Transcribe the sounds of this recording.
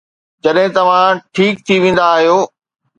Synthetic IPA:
d͡ʑɐɗɦɪ̃t̪ɐʋ̤ãʈʰiːk̚t̪ʰiʋẽːn̆d̪aːɦijoː

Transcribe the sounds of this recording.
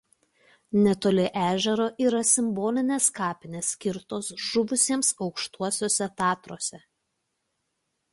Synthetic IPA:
nʲɛt̪oːlʲɪʔæːʒʲɛɾoːʔiːɾɐsʲɪmboːlʲɪnʲeːskɑːpʲɪnʲeːsʲkʲɪɾt̪oːsʒʊʋʊsʲiɛmsɒʊkʃt̪uɔsʲoːsʲɛt̪ɑːt̪ɾoːsʲɛ

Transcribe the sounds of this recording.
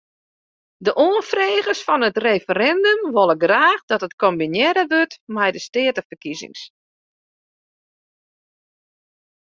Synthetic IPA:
dəʔoːənfreːɣərsfɔnətrefəɾɛndəmʋolˠəɡraːχdɔtətkombinjɛɾəʋøtmɛjdəstɪətəfərkizɪ̰ŋs

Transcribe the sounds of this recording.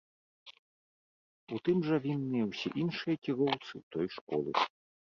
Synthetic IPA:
ut̪ɨmʐɐvʲinːɨjɐwsʲɛʔinʂɨjɐkʲiɣɔwt̪sɨwt̪ɔjʂkɔ̰lʲˠɨ̰

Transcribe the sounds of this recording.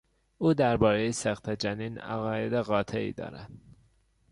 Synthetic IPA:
uːd̪æɾbɒːɾejesæxt̪ʰed͡ʒæniːnæ̰ɣɒːjed̪eɣɒːt̪ʰeḭːd̪ɒ̰ːɾæ̰nd̪̥

